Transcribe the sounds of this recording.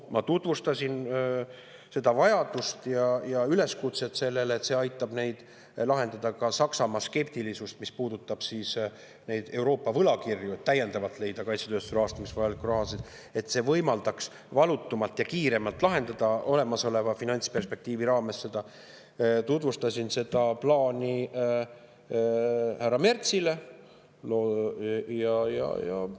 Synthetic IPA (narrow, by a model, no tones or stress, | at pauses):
mɑt̪ut̪vust̪ɑsʲin | se̞d̪̥ɑvɑjɑd̪ust̪jɑjɑyle̞skut̪se̞t̪se̞lːe̞let̪se̞ɑjt̪ːˑɑb̥ne̞jd̪̥ | lɑɦe̞nd̪ɑd̪̥ɑkɑsɑksɑmɑske̞p̚t̪ilisust̪mispuːd̪̥ut̪ːˑɑb̥sis | ne̞jd̪̥e̞wɾo̞ːpːˑɑvɤlɑkirjuet̪ːæjːe̞nd̪ɑvɑt̪ˑle̞jd̪̥ɑkɑjt̪set̪øːst̪uɾɑːst̪ɑmisvɑjɑlikːurɑɦɑsid̪̥ | e̞t̪se̞vɤ̞jmɑld̪̥ɑks | vɑlut̪ːˑumɑlt̪jɑkiːɾe̞mɑlt̪ːˑlɑɦe̞nd̪̥ɑd̪̥ɑo̞le̞mɑso̞le̞vɑfinɑnʲt̪spe̞rspe̞k̚t̪iːviɾɑːme̞sːe̞d̪̥ɑ | t̪ut̪vust̪ɑsʲinse̞d̪ɑplɑːnʲi | hærɑme̞rt̪sile̞ | lo | jɑjɑ̰jɑ̰